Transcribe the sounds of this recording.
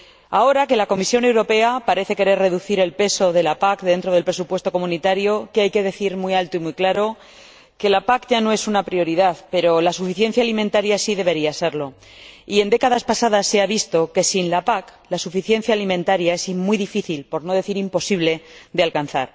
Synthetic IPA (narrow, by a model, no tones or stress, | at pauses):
ao̞ɾake̞lako̞misjo̞ne̞wɾo̞pe̞apaɾe̞θe̞ke̞ɾe̞re̞ðuθiɾe̞lpe̞so̞ðe̞lapakðe̞nt̪ɾo̞ðe̞lpɾe̞supwe̞st̪o̞ko̞mũnit̪aɾjo̞keajke̞ðe̞θiɾmijalt̪oimuijklaɾo̞ | ke̞lapakʝano̞e̞sunapɾjo̞ɾiðaðpe̞ɾo̞lasufiθje̞n̟θjaːliment̪aɾjasiðe̞β̞e̞ɾiase̞ɾlo̞ | ie̞nd̪e̞kaðaspasaðasːe̞aβ̞ist̪o̞ke̞sinlapaklasufiθje̞n̟θjaːlimẽnt̪aɾjae̞simuijðifiθilpo̞ɾno̞ð̞e̞θiɾimpo̞siβle̞d̪ealkan̟θaɾ